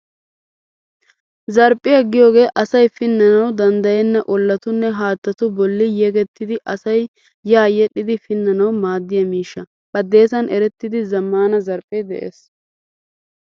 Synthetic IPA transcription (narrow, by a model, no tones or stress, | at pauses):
zɐɾpʼːɪjɐɡːɪjo̞ːɡe̞ːʔɐsɐjfɪnːɐnɐwd̪ɐnd̪ɐjɛnːɐʔɔlːɐt̪ʊnːɛɦaːt̪ːɐt̪ʊbɔlːɪjɛɡɛt̪ːɪd̪ɪʔɐsɐj | jaːjɛɗɪd̪ɪfɪnːɐnɐwmaːd̪ːɪjɐmiːʃːɐ | bɐd̪ːe̞ːsɐnʔɛɾɛt̪ːɪd̪ɪzɐmːaːnɐzɐɾpʼːɛd̪ɛ̰ʔḛːs